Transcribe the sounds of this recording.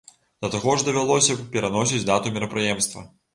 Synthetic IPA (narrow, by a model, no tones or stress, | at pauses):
d̪̥ɐt̪aɣɔʐd̪ɐvʲalˠɔsʲɐpʲɛɾanɔsʲit͡sʲd̪at̪umʲiɾɐpɾɨjɛmst̪vɐ̰